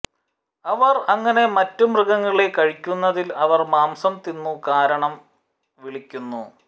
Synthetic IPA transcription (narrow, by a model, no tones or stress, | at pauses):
ɐʋɐrɐŋːɐne̞mɐtːumrɨɡɐŋːɐɭekɐɻikʲːunːɐðilɐʋɐrmaːmsɐmt̪inːukaːɾɐɳɐm | ʋiɭikʲːunːu